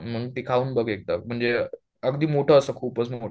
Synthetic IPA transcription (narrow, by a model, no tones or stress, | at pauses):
m̤əɽunt̪ikʰauːnbəɡek̚t̪am̤əɳd͡ze | əɡd̪iːmoʈʰəːsəkʰuːpət͡smoʈʰ